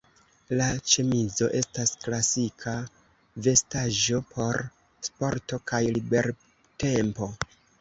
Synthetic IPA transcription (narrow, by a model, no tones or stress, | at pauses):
lat͡ʃemizo̞ʔe̞stasklasikʰa | ve̞staʒo̞pʰo̞ɾ | spo̞ɾto̞kajlibe̞ɾ | te̞mpo̞